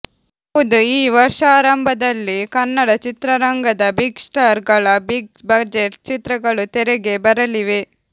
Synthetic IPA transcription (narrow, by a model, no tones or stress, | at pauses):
ɐud̪uiːʋɐɾʂaːɾɐmbʱɐd̪ɐlːikɐnːɐɽɐt͡ʃit̪ɾɐɾɐŋɡɐd̪ɐbiɡsʈaːɾɡɐɭɐbiɡbɐd͡ʒeʈt͡ʃit̪ɾɐɡɐɭut̪ɛɾɛɡe̞bɐɾɐliʋe̞